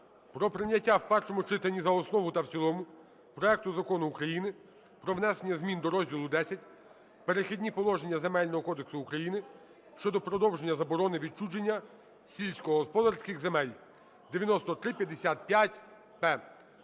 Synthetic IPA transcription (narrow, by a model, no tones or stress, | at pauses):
pɾɔpɾɪnʲːɐtʲːawpɛrʃɔmʊt͡ʃɪt̪ɐnʲːizɐɔsnɔʋʊt̪ɐwt͡sʲilˠɔmʊ | pɾɔɛk̚t̪ʊzɐkɔnʊːkɾɐjinɪ | pɾɔʋnɛsenʲːɐzʲmʲind̪ɔɾɔzʲdʲilˠʊd̪ɛsʲɐtʲ | peɾexʲidʲnʲipɔlˠɔʒenʲːɐzemɛlʲnɔɦɔkɔd̪eksʊːkɾɐjinɪ | ʃt͡ʃɔd̪ɔpɾɔd̪ɔwʒenʲːɐzɐbɔɾɔnɪʋʲit͡ʃud͡ʒenʲːɐ | sʲilʲsʲkɔɦɔspɔd̪ɐrsʲkɪxzemɛlʲ | d̪eʋʲjɐnɔst̪ɔt̪ɾɪpʲjɐd̪esʲat̪̚pʲjatʲ | pɛ